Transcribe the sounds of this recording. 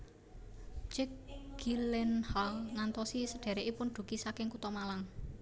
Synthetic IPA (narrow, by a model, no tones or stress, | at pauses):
t͡ʃɛkɡilɛnhalŋant̪ɔsisəɖ̥e̤ɾeʔipʊnɖ̥ṳkisakɪŋkut̪ɔmalaŋ